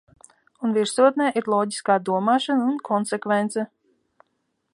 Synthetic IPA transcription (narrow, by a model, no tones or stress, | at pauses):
unviɾsuɔt̪̚nɛːʔiɾlˠɔːɟiskaːd̪uɔmaːʃanunkʰɔnsɛkvɛnt̪sɛ